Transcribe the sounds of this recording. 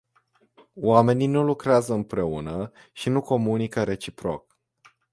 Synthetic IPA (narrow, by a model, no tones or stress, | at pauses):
wame̞ninulukɾeazəɨmpɾe̞unə | ʃinuko̞munikəɾe̞t͡ʃipɾo̞̰k̚